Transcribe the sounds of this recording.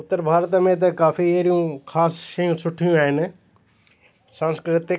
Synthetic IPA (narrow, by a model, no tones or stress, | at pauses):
ʊt̪ːəɾbʱaːɾət̪mẽt̪̬ɐkaːfieɾijũkʰaːsʃɐjũsʰʊʈʰijũaːɦɪnɪ̆ | sãːnskɾɪt̪ɪ